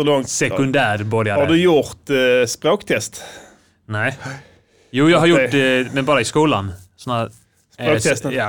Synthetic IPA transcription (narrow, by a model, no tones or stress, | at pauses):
lɔŋsɛkʉnd̪æːɾboːd̪jaɑd̪ʉjʊɾt̪spɾoːkt̪ʰɛst̪ | næɪ | juːjæɪɡɦɑɾjʊʈːmɛnbɑːɾəɪskuːlansɔnːæ | soːɛsɑː